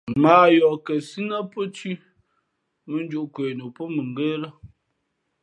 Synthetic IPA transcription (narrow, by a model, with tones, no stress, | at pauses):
maː˨jɔ˨kə˨si˦na˦po˦t͡ʃi˦ | mə˦n˦d͡ʒu˦ʔkwe˨no˨po˦mə˨ŋ˨ɡe˦lə˦